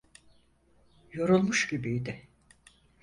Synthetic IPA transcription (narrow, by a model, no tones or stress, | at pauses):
jo̞ɾulˠmuʃɟibijd̪ɪ